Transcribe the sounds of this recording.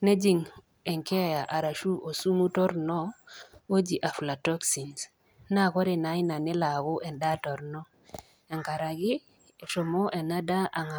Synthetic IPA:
nɛ˦d͡ʒi˨ŋ | ɛ˨ŋkɛ˦˨ja˨ʔa˨ɾa˨ʃu˦ʔo˨su˦mu˦tɔ˦ɾnɔ˦o˦d͡ʒi˨ʔa˨fla˨tɔ˦ksi˨ns | na˦˨kɔ˦ɾe˨na˨˦i˦na˨nɪ˦la˨ɡo˦ʔɛ˨nda˦tɔ˨ɾnɔ˦ | ɛ˨ŋka˨ɾa˨ɡɪ˦˨ | ʃɔ˨mɔ˦ʔɛ˨na˦da˦ʔa˨ŋa˨

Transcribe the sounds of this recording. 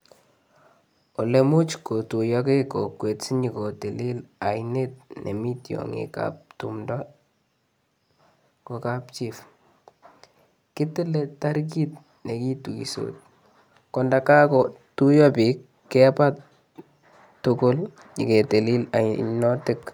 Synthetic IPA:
o˨lemu˦t͡ʃko˨tu˨jɔke˦ko˨kwe˨tsi˦ɲi˨ko˨te˨li˦la˨inet̚nʔḛ˨mi˦tjo̰˨ŋḭka̰p̚tṵmdɔ | ko˨ka˨pt͡ʃif | kɪ˦tɪ˦letaɾk̬i˦t | ne˨ki˦tu˨kḭ˨so̰t̚ | kɔnda˨ka˦kɔ | tu˦jɔ˦pikːɛ˦pa˦t | ʊkʊ˦l | ɲi˨ke˨te˨li˦la̰˨nɔ˦tɪ˦k

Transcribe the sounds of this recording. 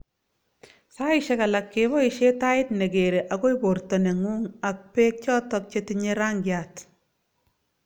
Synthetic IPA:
sa˦ɪʃe˦ka˨la˨kːeβɔ˦i˨ʃeta˦ɪ˦tne˨ɡe˨ɾe˨ʔa˨ɡo˦ibo˨rto˨ne˨ŋu˦ŋa˨k̚peː˦k̚t͡ʃɔ˦tɔ˦k̚t͡ʃeti˦ɲe˦ɾa˦ŋɡja˨t

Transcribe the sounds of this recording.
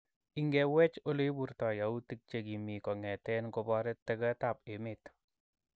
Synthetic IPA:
i˦ŋɡɛ˨wɛ˦t͡ʃo˦le˦bu˦ɾtɔ˨ja˨u˦ti˦k̚t͡ʃe˨ɡi˨mi˨kɔ˨ŋɛ˨tɛ˦nko˧bɔ˦ɾɛ˦tːɛ˦ɡɛ˦ta˨pe˨mɪt

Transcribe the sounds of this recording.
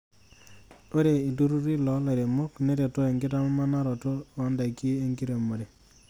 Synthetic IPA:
o˦ɾe˨i˨du˦ɾu˦ɾi˦lɔ˨la˨ɾe˨mo˦kne˦ɾe˨to˦e˨ŋɡɪ˦ta˦mɔ˦ma˦na˦ɾɔ˨to˦ɔ˦nda˨ki˦e˦ŋɡi˦ɾe˨mo˨de˨

